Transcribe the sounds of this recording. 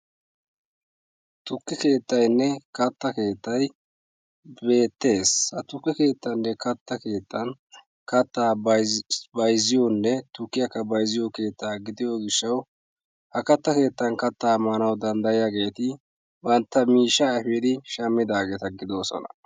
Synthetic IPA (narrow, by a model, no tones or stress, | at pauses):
t̪ʊkːɛke̞ːt̪ːɐjnːɛkɐt̪ːɐke̞ːt̪ːɐj | be̞ːt̪ːe̞ːshɐt̪ʊkːɛke̞ːt̪ːɐnːɛkɐt̪ːɐke̞ːt̪ːɐn | kɐt̪ːaː | bɐjzɪjonːɛt̪ʊkːɪjɐkːɐbɐjzɪjoke̞ːt̪ːaːɡɪd̪ɪjoɡɪʃːɐw | hɐkɐt̪ːɐke̞ːt̪ːɐnkɐt̪ːaːmːɐnɐwd̪ɐnd̪ɐjɪjaɡe̞ːt̪ɪ | bɐnt̪ːɐmiːʃːaːɛfɛd̪ɪʃɐmːɪd̪aːɡe̞ːt̪ɐɡɪd̪o̞ːsɔ̰nɐ̰